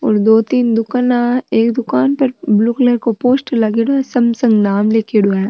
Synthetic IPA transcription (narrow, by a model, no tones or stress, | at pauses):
ɔ̰ːɾd̪oːt̪iːnd̪ʊkənaːeːkd̪ʊkaːnpɐɾbluːkləɾkopoːsʈlɐɡeːɽuɛ̃ːsɐmsɐ̃ŋɡnaːmleːkeːɽuɛ̃